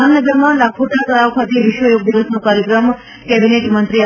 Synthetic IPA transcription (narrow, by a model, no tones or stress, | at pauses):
anəɡəɾmãlakʰuʈak̪əɾaʋkʰat̪eʋɪʃʋəjoɡ̚d̪iɡəsnõkaɾjəkɾəm | kɛbineʈmənt̪ɾia